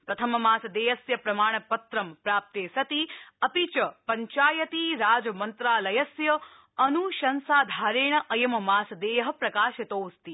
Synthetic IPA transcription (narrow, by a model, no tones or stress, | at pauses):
pɾɐt̪ʰɐmɐmaːsd̪eːjɐsjɐpɾɐmaːɳ̃ɐpɐt̪ɾɐmpɾaːp̚t̪eːsɐt̪iɐpit͡ʃɐəpɐɲt͡ʃaːjɐt̪iɾaːd͡ʒmɐnt̪ɾaːlɐjɐsjɐ | ɐnuʃɐnsaːd̪ʱaːɾeːɳ̃ɐʔɐjɐmmaːsd̪eːjɐɦɐ̆pɾɐkaːʃɐt̪oːst̪i